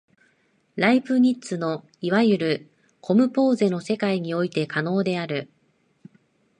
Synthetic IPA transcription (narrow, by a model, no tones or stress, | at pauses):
ɾaiɸɯ̟ɲ̟it͡sɨno̞ | iβajɯ̟ɾɯ̟ | kʰo̞mɯ̟po̞ːze̞no̞se̞kaiɲ̟io̞it̪e̞kano̞ːd̪e̞aɾɯ̟